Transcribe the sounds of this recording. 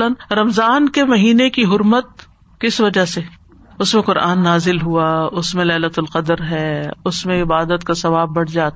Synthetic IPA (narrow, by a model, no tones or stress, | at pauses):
lənɾɐmzaːnkemɐɦiːnekiɦʊɾmət̪̚ | kɪsʋɐd͡ʒase | ʊsmẽqʊɾa̰ːnːaːzɪlɦuaʊsmẽlɛːlət̪ʊlqɐd̪əɾɦɛːʊsmẽɪbaːd̪ət̪kasɐʋaːbːɐɽd͡ʒaːt̪